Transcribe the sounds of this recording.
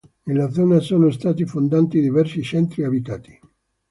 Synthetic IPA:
nelad̪zɔːnasoːnost̪aːt̪ifond̪ant̪id̪ivɛrsit͡ʃɛnt̪ɾiabit̪aːt̪i̥

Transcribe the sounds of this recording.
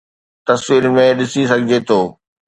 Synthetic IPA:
t̪ɐsʋiːɾmẽɗɪsisɐɡʱɪd͡ʑet̪ʰoː

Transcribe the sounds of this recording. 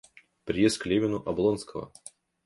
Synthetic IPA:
pɾʲɪjest̪klʲemʲɪnʊʔɐblˠonskəvə̰

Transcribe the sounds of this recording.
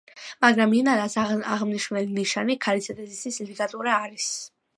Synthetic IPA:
maɡɾaminaɾasaaʁmniʃnɛliniʃanikʰalisʰɛt̪ʼɛzisislidikʼat̪ʼuɾaːɾis

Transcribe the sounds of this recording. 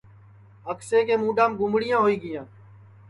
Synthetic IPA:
əkseːkeːmũːɖãːmɡʊmbɽɪjãːɦoːiːɡɪjãː

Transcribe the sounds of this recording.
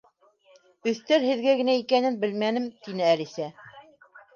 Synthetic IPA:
ɵ̆θt̪æɾhɘ̆ðɡæɡɘ̆næikænɘnbɘlmænɘmt̪inɘælisæ

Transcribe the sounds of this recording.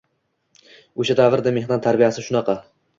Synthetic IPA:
oʃad̪avɪɾd̪amehd̪ɒnt̪ʰaɾbijasɪʃʊnɑqɑ

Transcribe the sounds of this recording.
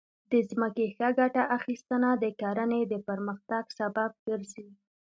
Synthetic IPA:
d̪əzməkexəɡaʈaʔaxist̪ənad̪əkɑɾəned̪əpəɾməxt̪aɡsabab̚ɡəɾzi

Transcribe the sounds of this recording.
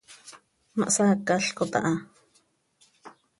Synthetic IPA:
maʔsakːaɬkot̪ɑ̰ʔɑ

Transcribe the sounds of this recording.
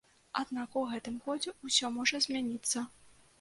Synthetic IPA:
a̰d̪nakuɣɛt̪ɨmkɔd͡zʲɛusʲɔmɔʐɐzʲmʲanʲit̪sːɐ

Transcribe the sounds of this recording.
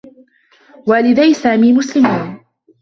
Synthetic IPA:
waːlɪd̪ajsaːmiːmʊslɪmiːn

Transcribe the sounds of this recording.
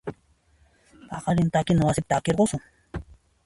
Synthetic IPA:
pɑqɑɾɪnt̪akɪnawasɪp̚t̪akeɾɢosʊŋ

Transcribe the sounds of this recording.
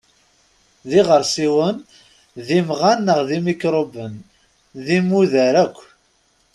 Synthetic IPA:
ðiʁəɾˤsiwən | ðimʁanːəʁðimikɾˤobən | ðimuðəɾækʷː

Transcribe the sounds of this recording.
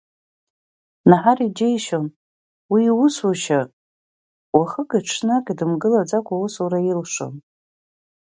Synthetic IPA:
naħarid͡ʒejʃon | wiwʊsaʃa | waχəkʼiʈ͡ʂʰnakʼidɨmɡɨlad͡zakʷʰʼawusurajilʂo̰n

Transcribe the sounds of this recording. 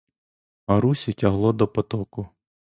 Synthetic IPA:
ɐɾusʲitʲɐɦlˠɔd̪ɔpɔt̪ɔkʊ

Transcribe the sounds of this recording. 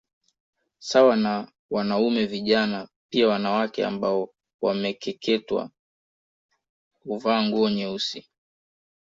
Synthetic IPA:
sawana | wanaumɛviʄanapiawanawakɛa̰mbaɔ | wamɛkɛkʰɛtwa̰ | uvaːŋɡuɔɲɛusi

